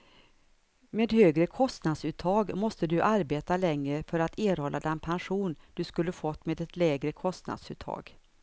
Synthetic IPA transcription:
meːd̪høːɡɾəkʰɔst̪nad̪sʉ̟ːt̪ʰːɑːɡmɔst̪əd̪ɵʔaɾbeːt̪alɛŋɾəfœɾat̪ʰeːɾhɔlːʔa̰d̪ɛnpʰanɧuːnd̪̥ɵskɵlːəfɔt̪ːmeːd̪ɛt̪lɛːɡɾəkʰɔst̪na̰d̪sʉ̰ːt̪ʰːɑ̰ːɡ

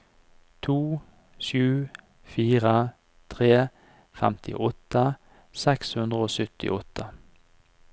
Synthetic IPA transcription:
t̪ʰuː | ʃʉː | fiːʁə | t̪ʰʁeː | fɛ̰mt̪ʰɪ̰ʔɔt̪ə | sɛkshʉnd̪ʁəoːsʏt̪ɪ̰ʔɔt̪ʰːə

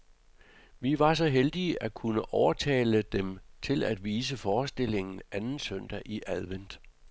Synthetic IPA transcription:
ʋiʋɑ̈s̬ɒ̽ɦeld̥iəʔækʰunəʔɒʊɐt͡sʰɛ̰ːləd̥emt͡sʰe̝læd̥ʋiːs̬əfɒːsd̥e̝le̝ŋn̩ænn̩søn̰d̥æʔiʔæðˠʋen̰d̥

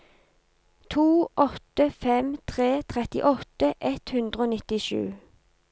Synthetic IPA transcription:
t̪ʰuːʔɔt̪əfɛmt̪ʰʁeːt̪ʰʁɛt̪ɪ̰ʔɔt̪əʔɛt̪hʉnd̪ʁəoːnɪt̪ɪʃʉ̰ː

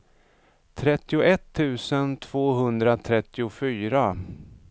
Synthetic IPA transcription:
t̪ʰɾɛt̪ːɪʊʔɛt̪ʰːʉ̟ːsənt̪ʰv̥oːɦɵnd̪ɾat̪ʰɾɛt̪ːɪʊfyːɾa

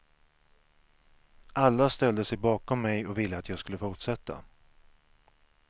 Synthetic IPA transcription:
ʔalːast̪ɛld̪əsɛjbɑːkɔmːɛjɔvɪlːəat̪jɑːɡskɵlːəfʊʈʂɛt̪ːa̰

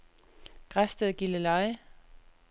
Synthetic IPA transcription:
ɡ̥ʁasd̥əðˠɡ̥iləlɑɪ

